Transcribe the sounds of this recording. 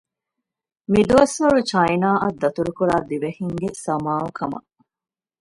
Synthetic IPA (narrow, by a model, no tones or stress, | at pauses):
mid̪uʋɐsʋɐɾut͡ʃɐjnaːʔɐd̪ːɐt̪uɾukuɾaːd̪iʋehiŋɡesɐmaːukʰɐmɐ̰